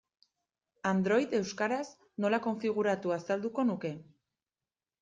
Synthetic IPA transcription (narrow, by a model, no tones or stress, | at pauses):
and̪ɾo̞jt̪e̞wskaɾas | no̞lako̞ɱfiɣ̞uɾat̪uasald̪uko̞nuke̞